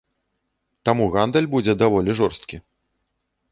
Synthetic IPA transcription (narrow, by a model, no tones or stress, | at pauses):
t̪amuɣand̪ɛlʲbud͡zʲɛd̪avɔlʲiʐɔrst̪kʲi